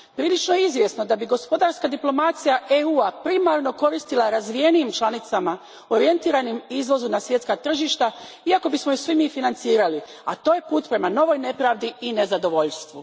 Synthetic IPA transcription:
pɾiːlit͡ʃno̞jeizʋje̞sno̞d̪abiɡo̞spo̞d̪aɾskad̪iplˠo̞mat̪sijaʔeuːapɾimaɾno̞ko̞ɾist̪ilaɾazʋije̞nijimt͡ʃlˠanit̪sama | o̞ɾije̞nt̪iːɾanimizʋo̞zumnasʋjet̪skat̪r̩ʒiːʃt̪a | iako̞bismojisʋimiːfinant̪siːɾali | a̰t̪o̞ːje̞puːt̪pɾe̞mano̞ʋo̞jne̞pɾaːʋd̪iine̞zad̪o̞ʋo̞ʎst̪ʋu

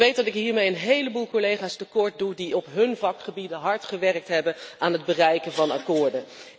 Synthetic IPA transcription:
ʋejt̚dɑtɪkɦiːɹmejənɦejləbuːlˠkolejχaːstəkɔɹt̚dudiɔpɦɵnvɑkχəbidəɦɑɹtχəʋɛrk̚tɦɛbənaːnɦəd̚bərɛjkənvɑnɑ̰kʊːɹdə

